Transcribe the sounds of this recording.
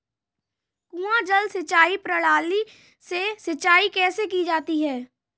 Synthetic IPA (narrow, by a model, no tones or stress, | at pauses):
kũãd͡ʒəlsɐt͡ʃaːipɾəɭaːli | sesɐt͡ʃaːikɛːsekid͡ʒaːt̪iɦɛː